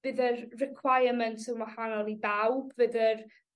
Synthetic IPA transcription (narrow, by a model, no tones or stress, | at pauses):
vɨðərrɪkʰwajəməntʰɪwmahanɔlˠibawbvɨðər